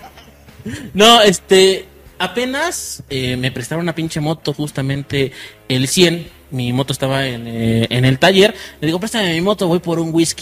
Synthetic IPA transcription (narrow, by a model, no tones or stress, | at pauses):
noe̞st̪e̞ | ape̞naseme̞pɾe̞st̪aβounapint͡ʃemo̞t̪o̞xust̪amẽ̞nt̪e̞ː | lsje̞n | mimo̞t̪ost̪aβaenene̞lt̪aʝe̞ɾmeðixo̞pɾest̪amemimo̞t̪o̞βo̞jpo̞ɾuŋɡwiski